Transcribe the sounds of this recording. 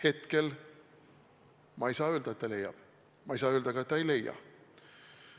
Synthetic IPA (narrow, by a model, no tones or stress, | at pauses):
he̞t̪ke̞l | mɑejsɑːøld̪ɑet̪ːɑle̞jːɑ̰b̥ | mɑjsɑːøld̪ɑɡ̥ɑet̪ːɑejle̞jːɑ̰